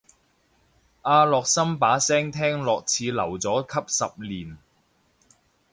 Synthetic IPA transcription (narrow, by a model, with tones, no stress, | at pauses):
ʔaː˧lɔː˨k̚sɐ˥mpaː˨˥sɛː˥ŋt̪ʰɛː˥ŋlɔː˨k̚t͡sʰiː˨˧lɐ˨˩wt͡sɔː˨˥kʰɐ˥p̚sɐ˨p̚liː˨˩n